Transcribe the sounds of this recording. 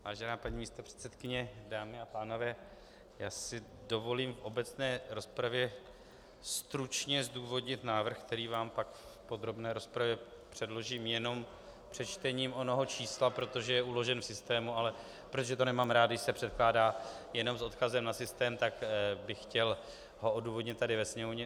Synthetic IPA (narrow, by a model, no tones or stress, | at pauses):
vaːʒɛnaːpaɲiːmiːst̪opr̥ɛ̥t̪sɛt̪kɪɲɛdaːmɪapaːno̞vɛː | jaːsɪdo̞vo̞liːmfʔo̞bɛt͡snɛːɾo̞spɾavjɛ | st̪ɾut͡ʃɲɛzduːvo̞dɲɪt̪naːvr̩xk̚t̪ɛɾiːvaːmpakffpo̞d̪ɾo̞bnɛːɾo̞spɾavjɛ | pr̝̥ɛdlo̞ʒiːmjɛno̞m | pr̝̥ɛt͡ʃt̪ɛɲiːmo̞noɦo̞t͡ʃiːslapɾo̞t̪o̞ʒɛjɛʔulo̞ʒɛnfsɪst̪ɛːmualɛ | pɾot̪oʒɛt̪onɛmaːmɾaːd̪ɡɪʃsɛpr̝̥ɛt̪̚klaːdaː | jɛno̞mso̞t̪kazɛmnasɪst̪ɛːmt̪akbɪxxcɛl | ɦo̞ʔo̞duːvo̞dɲɪt̪t̪ːadɪvɛsɲɛmovɲɛ